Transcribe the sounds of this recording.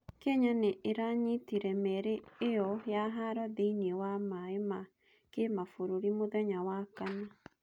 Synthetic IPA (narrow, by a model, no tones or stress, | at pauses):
keɲaneʔːɾaɲitiɾɛmɛɾeːjɔjaɦaɾɔðeiniewamaema | kemafoɾoɾimoðɛɲawakaɲa